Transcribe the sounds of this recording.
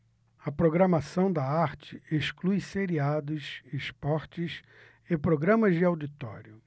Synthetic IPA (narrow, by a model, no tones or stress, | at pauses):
ɐpɾoɡɾɐmasɐ̃w̃d̪ɐaɾt͡ʃɪ̥eʃklujseɾiad̪ʊsespɔɾt͡ʃɪs | ɪpɾoɡɾɐ̃mɐzd͡ʒɪawd͡ʒit̪ɔ̰ɾjʊ